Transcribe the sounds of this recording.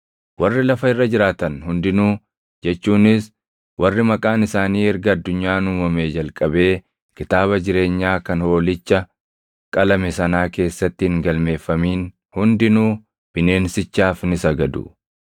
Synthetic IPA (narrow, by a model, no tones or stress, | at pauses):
wɐrːɪlɐfɐɪrːɐd͡ʒɪɾaːt̪ɐnhʊnd̪ɪnuː | d͡ʒɛt͡ʃːuːnɪs | wɐrːɪmɐkʼaːnɪsaːniːɛɾɡɐːd̪ːʊɲːaːnʊmɐmeːd͡ʒɐlkʼɐbe̞ː | kɪt̪aːβɐd͡ʒɪɾe̞ːɲːaːkɐnho̞ːlɪt͡ʃːɐ | kʼɐlɐmɛsɐnaːke̞ːsːɐt̪ːɪhɪŋɡɐlme̞ːfːɐmiːn | hʊnd̪ɪnuː | b̥ɪne̞ːnsɪt͡ʃːaːfnɪsɐɡɐd̪ʊ̰